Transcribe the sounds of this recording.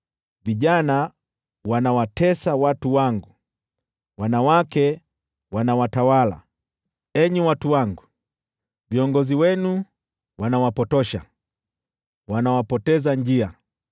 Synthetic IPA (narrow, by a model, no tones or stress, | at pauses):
viʄana | wanawatɛsawatuwaŋɡu | wanawakɛ | wanawatawala̰ | ɛɲuwatuwaŋɡu | viɔŋɡɔziwɛnu | wanawapɔtɔʃa̰ | wanawapɔtɛzaɲd͡ʒia